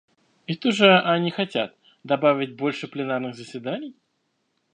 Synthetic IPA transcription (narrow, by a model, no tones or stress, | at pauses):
ɪt̪oʐɨʔɐnʲɪxɐtʲat̪ | d̪ɐbavʲɪt̚ʲbo̞lʲʂɨplʲɪnarnɨɣzəsʲvʲɪd̪anʲɪj